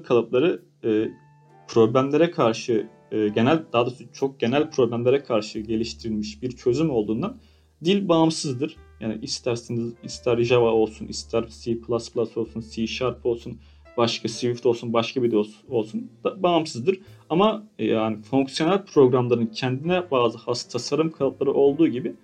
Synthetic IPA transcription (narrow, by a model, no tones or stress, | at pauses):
kʰalˠaplˠaɾɯː | pʰɾo̞blʲæmlʲe̞ɾɛkʰaɾʃɯː | ɟe̞nælʲd̪ad̪asut͡ʃʰo̞k̚ɟ̥e̞nælʲpʰɾo̞blʲæmlʲe̞ɾɛkʰaɾʃɯɟe̞lʲiʃt̪ʰiɾilʲmiʃbiɾt͡ʃʰø̞zymo̞lˠd̪uːnd̪an | d̪ilʲbaːmsɯzd̪ɯɾ̥jaːnḭʔist̪ʰæɾsinizist̪ʰæɾʒavao̞lˠsunist̪ʰæɾsiːpʰlˠasplˠaso̞lˠsunsiːʃaɾpʰo̞lˠsun | baʃkʰasivift̪o̞lˠsunbaʃkʰabid̪oso̞lˠsund̪̥abaːmsɯzd̪ɯɾ̥amaanifoŋksij̞nælʲpʰɾo̞ɡɾamlˠaɾɯncʰɛnd̪inɛbaːzɯhast̪ʰasaɾɯmkʰalat̪lˠaɾɯʔo̞lˠd̪uːɟibɪ